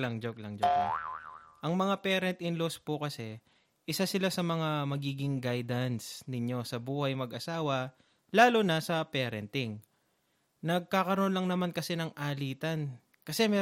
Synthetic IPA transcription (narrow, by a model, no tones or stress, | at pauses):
lɐŋd͡ʒok̚lɐŋd͡ʒokla̰ʔɐŋmɐŋapɛːɾɛnt̪ʔɪŋlospʊkɐsɛ | ʔɪsasɪlasɐmɐŋamɐɡiːɡɪŋɡajd̪ɐnsnɪɲo̞sɐbuːhɐjmɐɡʔɐsaːwɐ | laːlonasɐpɛːɾɛnt̪ɪŋ | nɐɡ̚kaːkɐɾʔonlɐŋnɐmankɐsɛnɐŋʔaːliːt̪ɐn | kɐsɛmɛː